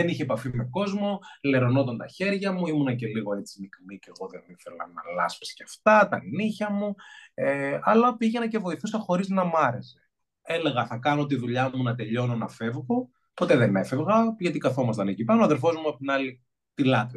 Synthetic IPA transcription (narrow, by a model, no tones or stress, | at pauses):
ðe̞niçeːpɐfime̞ko̞zmo̞le̞ɾo̞no̞t̪ɐnt̪ɐçe̞ɾʝɐmuimunɐce̞liɣo̞e̞t͡sinikmice̞ɣo̞ðeniθelɐ̰nɐlɐspsceɐft̪ɐt̪ɐliniçɐmueɐlɐpiʝe̞nɐce̞vo̞iθust̪ɐxo̞ɾiznɐmɐɾe̞se̞̥ | eleɣɐθɐkɐnot̪iðuʎɐmunɐt̪e̞ʎo̞no̞nɐfe̞vɣo̞ | po̞t̪eðene̞fe̞vɣɐʝɐt̪ikɐθo̞mɐst̪ɐnecipɐnoɐðelfo̞zmuɐpot̪inɐli | t̪ilɐt̪ɾi